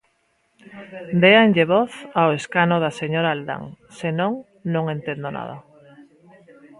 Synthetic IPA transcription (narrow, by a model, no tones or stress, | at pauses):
d̪eanʎeβɔθaoeskanoðaseɲoɾaːld̪a̰ŋ | senõŋ | nõŋent̪end̪ona̰ð̞a̰